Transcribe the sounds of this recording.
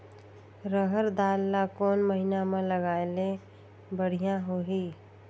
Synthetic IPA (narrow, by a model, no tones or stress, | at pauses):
ɾəɦəɾd̪aːlːakoːnməɦinamẽləɡaːele | bəɽ̤ijãɦoɦi